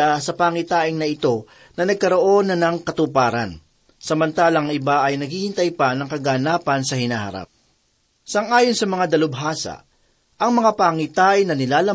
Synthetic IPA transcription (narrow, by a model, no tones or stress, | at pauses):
asɐpaːŋɪt̪aːʔɪŋnɐɪt̪o̞ | nɐnɐɡ̚kɐɾo̞ʔo̞nːɐnɐŋkɐt̪ʊpaːɾɐ̰n | sɐmɐnt̪aːlɐŋɪbaʔɐjnɐɡhihɪnt̪ɐjpɐnɐŋkɐɡanaːpɐnsɐhɪnaːhɐ̰ɾa̰p̚ | sɐŋʔaːjonsɐmɐŋad̪ɐlʊbɦaːsɐ̰ | ʔɐŋmɐŋapaŋɪt̪aːʔɪŋnɐnɪlaːlɐ